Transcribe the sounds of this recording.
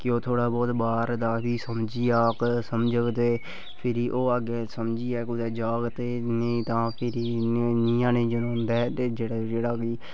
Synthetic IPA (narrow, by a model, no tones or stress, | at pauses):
kɪoːt̪ʰoːɽaːbɔːt̪baːɾd̪aːbiːsəmd͡ʒiːaːksəmd͡ʒəɡt̪eː | pʰɪɾiːʔoːəɡeːsəmd͡ʒiːɛːkʊd̪ɛːd͡ʒaːɡt̪eːneĩt̪ãːpʰɪɾiːniːãːnẽd͡ʒənõːnd̪aɛt̪eːd͡ʒeːɽad͡ʒeːɽaːkiː